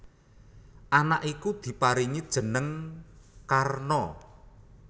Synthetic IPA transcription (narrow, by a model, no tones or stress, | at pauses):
ʔanaʔikud̪̥i̤paɾiɲidd̥ʒ̥ə̤nəŋ | karnɔ